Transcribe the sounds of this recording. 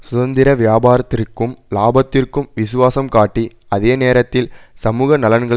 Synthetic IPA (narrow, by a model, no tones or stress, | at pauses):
sʊðɐnd̪ɪɾɐʋɪjaːbaːɾɐt̪ːɪrkːɯmlaːbɐt̪ːɪrkɯmʋɪsʊʋaːsɐmkaːʈːi | ɐðeːneːɾɐt̪ːɪlsɐmuːɣɐnɐlɐnɡɐɭ